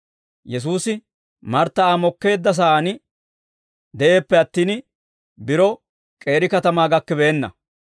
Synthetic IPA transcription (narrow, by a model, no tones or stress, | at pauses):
jɛs̬uːsɪ | mɐɾt̪ːɐaːmɔkːe̞ːd̪ːɐs̬aaːnɪ | d̪ɛʔe̞ːpːɛɐt̪ːiːn | bɪɾɔ | kʼe̞ːɾɪkɐt̪ɐmaːɡɐkːɛbeːnːɐ̰